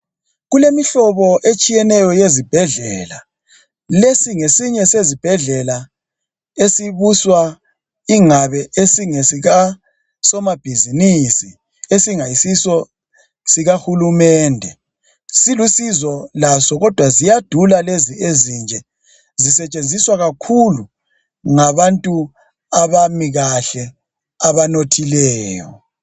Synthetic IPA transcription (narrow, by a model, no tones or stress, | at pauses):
ɣulemiɬɔβɔʔet͡ʃʼijɛnɛjɔjezib̥ʱɛɮɛːla | lesiŋesiɲɛsezib̥ʱɛɮɛla | esiβuswa | iŋaβɛesiŋesiɣa | sɔmab̥ʱizinisi | esiŋajisisɔ | siɣahulumɛːndʱɛ | silusizɔlasɔɣɔd̥ʱwazijad̥ʱulaleziezind͡ʒʱɛ | zisɛt͡ʃʼend͡zʱiswaɣakʰulu | ŋaβantʼu | aβamiɣaɬɛ | aβanotʰilɛːjɔ